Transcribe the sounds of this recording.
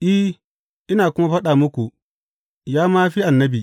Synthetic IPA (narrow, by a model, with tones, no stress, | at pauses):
ʔi˦ | ʔɪ˦naː˨kʷʊ˦ma˦ɸɐ˦ɗaː˨mʊ˦kʷu˨ | jaː˦maː˦ɸi˦ʔa˨nːɐ˦bi˨